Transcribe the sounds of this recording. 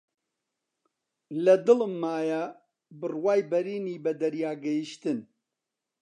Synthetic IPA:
lɐd̪ɨlɨmːaːja | bɨrwaːjbɐɾiːniːbɐd̪ɐɾjaːɡɐjiʃt̪ɨn

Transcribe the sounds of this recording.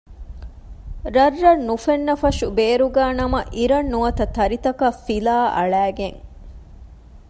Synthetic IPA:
ɾɐrːɐnːufenːɐfɐʃubeːɾuɡæːnɐmɐʔiɾɐnːuɐt̪ɐt̪ɐɾit̪ɐkɐfilaːʔɐ̰ɭæːɡeŋ

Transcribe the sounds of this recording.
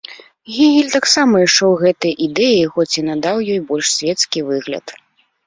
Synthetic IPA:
ɣʲiɣʲilʲt̪aksamɐiʂt͡ʂɛwɣɛt̪ɐjɐʔid̪ɛjixɔt͡sʲinad̪awjɔjbɔlʲʂsʲvʲɛt̪skʲivɨɣlʲɐ̰t̪

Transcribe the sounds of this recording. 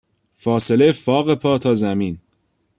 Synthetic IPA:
fɒːselejefɒːɣepʰɒːt̪ʰɒːzæmiːn

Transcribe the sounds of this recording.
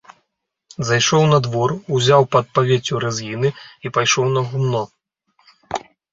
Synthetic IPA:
zajʂɔwn̪ɐd̪vɔruzʲawpɐt̪̚pavʲet͡sʲuɾɛzɣʲinɨipajʂɔwnɐɣumnɔ

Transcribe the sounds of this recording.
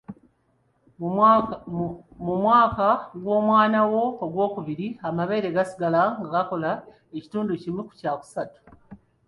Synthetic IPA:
mumwaːkaɡwo̞ːmwaːnawo̞ːɡwo̞ːkuβiɾiamaβe̞ːɾe̞ɡasi̥ɡalaŋɡaɡako̞la | eci̥tuːnducimwiku̥caku̥satu̥

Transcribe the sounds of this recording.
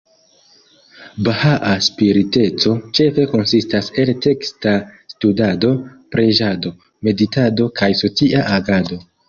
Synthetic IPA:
bahaʔaspiɾite̞t͡so̞t͡ʃe̞fe̞ko̞nsistase̞lte̞kstastudado̞pɾe̞ʒado̞ | me̞ditado̞kajso̞t͡siʔaʔaɡado̞

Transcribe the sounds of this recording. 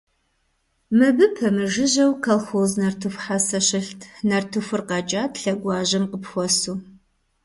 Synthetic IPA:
mɨbɨpʰɐmɨʒɪʑɐwkʰɐlxoːznɐrtʰufħasɐɕɪɬtʰnɐrtʰɨfʊrqɑd͡ʒʼaːtɬɐɡʷɑːʑɐmqəpxʷɔsuː

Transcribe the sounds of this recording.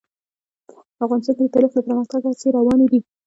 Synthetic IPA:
afɣɑnɪst̪ɑnked̪ət̪ɑlɪxlapəɾməxt̪aɡat͡seɾawɑned̪i

